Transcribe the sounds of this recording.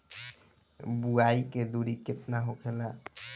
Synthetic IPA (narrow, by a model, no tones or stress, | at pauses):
buaiked̪uɾiket̪naɦokʰela